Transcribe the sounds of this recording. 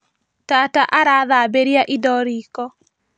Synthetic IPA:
tataʔaɾaːðabeɾjaʔidɔɾiːkɔ

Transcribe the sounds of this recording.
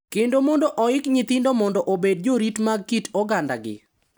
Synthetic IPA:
kendomɔndɔʔɔɪkɲit̪ɪndɔmɔndɔʔobed̚d͡ʒoɾitmaɡ̚kitɔɡanda̰ɡɪ̰

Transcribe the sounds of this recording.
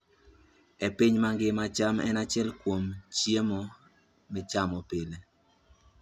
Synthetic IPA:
epiɲmaŋɡɪmat͡ʃamɛ̰nat͡ʃɪɛlkwomt͡ʃjemɔ | mɪt͡ʃamɔpɪle

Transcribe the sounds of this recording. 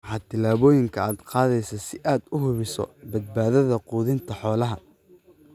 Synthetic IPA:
ħɑːt̪ʰɪlaːβɔːjɪŋkʰɐaːd̪qɑːðɛjsɐsɪʔaːd̪ʊɦʊβɪsɔ̰bɐd̪̚baːðɐðɐquːðɪnt̪ʰɐħɔːlɐɦɐ

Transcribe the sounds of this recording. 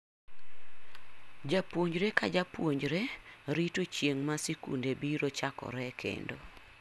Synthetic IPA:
d͡ʒapwoɲd͡ʒɾekad͡ʒapwoɲd͡ʒɾeɾitot͡ʃjeŋmasekṵndebiɾot͡ʃakɔ̰ɾɛkʰḛndo̰

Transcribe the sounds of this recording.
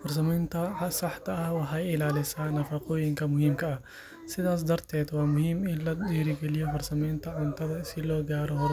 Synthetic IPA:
fʊɾs̬ɐmɪnt̪ɐsɐħt̪ɐʔɐwɐħaɪlaːlɪsɐnɐfɐqoːjɪŋkɐmʊhɪmkɐɐ | sɪd̪aːs̬d̪ɐɾt̪ɛːt̪waːmʊhɪmɪlɐd̪iːɾiɡɐlijɔfʊɾsɐmɪnt̪ɐʕʊnt̪ɐd̪ɐɪsɪlɔːɡaːɾɔɦɔɾ

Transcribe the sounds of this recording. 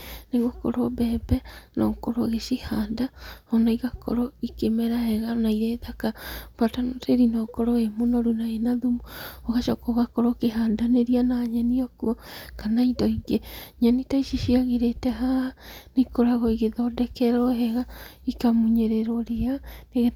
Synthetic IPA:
neŋɣoko̰ɾobɛːbɛnɔkɔɾoɣeʃihaːndahɔnaiɣakʰɔ̰ɾɔikemɛɾahɛɣanaiɾeðakapatanoteɾinɔkɔɾɔemonɔɾunaenaðumuoɣaʃɔkoɣakɔɾokeɦaːndaneɾianaɲaniɔkuɔkanaidɔiɡeɲanitaiʃiʃiaɣeɾetɛɦahanekoɾaɣɔiɣeðɔdɛkɛɾɔɦɛɣaikamuɲeɾeɾɔɾeaneɣe

